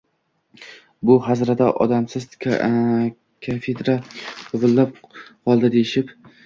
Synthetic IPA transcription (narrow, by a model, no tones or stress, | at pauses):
bʊɦazɾad̪aʔɒ̰d̪amsɪz | kʲʰafed̪ɾaʊʁɨlːap̚qʰɒlˠd̪ad̪ejɪʃɪp